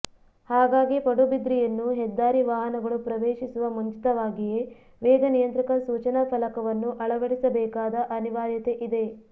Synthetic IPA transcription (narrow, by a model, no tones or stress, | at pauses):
haːɡaːɡipɐɽubid̪ɾijɐnːuɦɛd̪ːaːɾiʋaːɦɐnɐɡɐɭupɾɐʋeːʃisuʋɐmuɲt͡ʃi̥t̪ɐʋaːɡije̞ | ʋɛːɡɐnijɐnt̪ɾikɐsuːt͡ʃɐnɐpʰɐlɐkɐʋɐnːuʔɐɭɐʋɐɽisɐbɛːkaːd̪ɐʔɐniʋaːɾjɐt̪e̞ʔid̪e̞